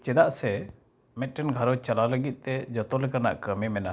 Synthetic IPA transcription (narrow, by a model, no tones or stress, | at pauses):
t͡ʃɛd̪aʔsɛ | mɛt̪̚ˀʈɛnɡʱaɾɔt͡ʃalawləɡit̪̚ˀt̪ɛd͡ʒɔt̪ɔlɛkana̰ʔkəmɛmɛna